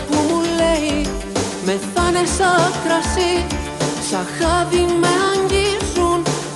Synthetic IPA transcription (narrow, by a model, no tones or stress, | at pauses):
pulːɛi | mɛθanesakɾasi | saxaðiŋmeaŋɡisun